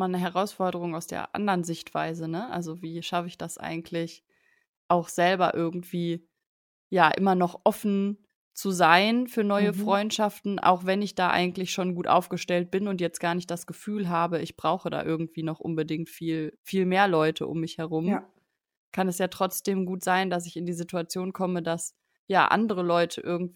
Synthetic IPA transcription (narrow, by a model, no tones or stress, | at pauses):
maːlnəɦɛʁ̞aʊsfɔɐdəʁ̞ʊŋaʊsd̥ḛːɐʔa̰ndəʁənzɪçtv̥a̰ɪzənəʔa̰lzoviːʃafəɪçd̥asʔa̰ɪɡŋ̩tʰlɪç | ʔaʊxz̥ɛlbɐ̰ʔɪɐɡŋ̩tv̥iː | jaːʔɪmɐnɔχʔɔfn̩ | t͡suzaɪnfyːɐnɔʏəfʁ̥ɔʏntʃaftn̩ʔa̰ʊxv̥ɛnɪçd̥aːʔa̰ɪɡŋ̩tlɪçʃoːnɡuːtʔa̰ʊfɡ̥əʃtɛlt̚b̥ɪnʊntjɛt͡stɡ̥aːɐnɪçtd̥asɡ̥əfyːlɦaːbəɪçb̥ʁaʊxəda̰ːʔɪɐɡŋ̩tv̥iːnɔχʔʊ̰nbədɪŋk̚tfiːlfiːlmeːɐlɔʏtʰə̰ʔʊ̰mːɪçhɛʁʊm | kʰanɛsjaːtʁ̥ɔt͡sd̥eːmɡuːtz̥aɪndas̬ɪçɪndiːzituat͡sjoːnkʰɔmədas | ja̰ːʔa̰ndəʁəlɔʏtʰəʔɪɐɡŋ̩t